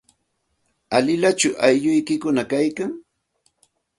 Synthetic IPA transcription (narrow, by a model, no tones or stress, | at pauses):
alɪlat͡ʃʊʔajʎʊjkɪkʊnakajkaŋ